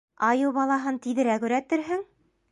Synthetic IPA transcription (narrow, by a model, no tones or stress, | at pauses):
ɑjuwbɑlˠɑɦɤnt̪iðɘ̆ɾækʉ̆ɾæt̪ɘɾɦɘŋ